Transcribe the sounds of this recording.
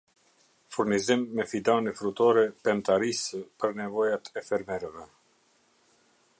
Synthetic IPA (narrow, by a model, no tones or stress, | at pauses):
fuɾnizimːɛfid̪anɛfɾut̪ɔɾɛpɛmt̪aɾisəpəɾnɛvɔjat̪ʰɛfɛɾmɛɾɛvɛ